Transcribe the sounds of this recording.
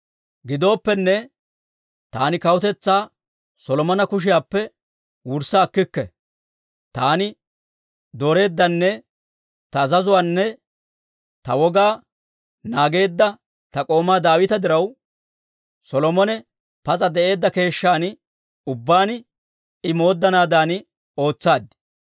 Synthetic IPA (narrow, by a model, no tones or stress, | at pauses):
ɡɪd̪o̞ːpːɛnːɛ | t̪aːnɪkɐwʊt̪ɛt͡sːaː | sɔlɔmɔnɐkʊʃ̬ɪjaːpːɛ | wʊɾsaːkːɪkːɛ̰ | t̪aːnɪ | d̪oːɾe̞ːd̪ːɐnːɛ | t̪ɐːzɐzʊwaːnːɛ | t̪ɐwɔɡaː | naːɡe̞ːd̪ːɐ | t̪ɐkʼo̞ːmaːd̪aːwɪt̪ɐd̪ɪɾɐw | sɔlɔmɔnɛ | pɐt͡sʼɐd̪ɛʔe̞ːd̪ːɐke̞ːʃːaːn | ʊbːaːn | ɪmo̞ːd̪ːɐnaːd̪aːn | o̞ːt͡sːaːd̪ɪ